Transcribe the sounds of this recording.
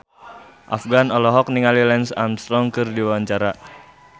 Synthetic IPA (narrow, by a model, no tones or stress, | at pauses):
ʔa̰fɡanɔlɔɦɔk̚niŋalilɛnsa̰mst̪ɾɔŋkɨrdiwawaɲt͡ʃaɾa